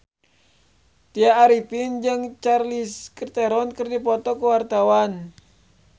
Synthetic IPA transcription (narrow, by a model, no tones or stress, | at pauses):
t̪iaːɾipind͡ʒɨŋt͡ʃarliskərt̪ɛɾɔnkɨrdipɔt̪ɔkuwart̪awan